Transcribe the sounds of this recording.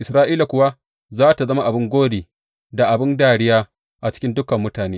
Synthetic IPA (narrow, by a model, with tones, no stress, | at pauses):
ʔɪ˨sɾaː˦ʔiː˦la˨kʷʊ˨wa˦ | zaː˦ta˨zɐ˦ma˦ʔa˨bɪ˦ŋɡʷoː˦deː˨ | da˨ʔa˨bɪ˦ndaː˨ɽɪ˦jaː˦ | ʔa˨t͡ʃɪ̥˦kʲɪ˦ndʊ˦kɐ˨mːʊ˦taː˨neː˦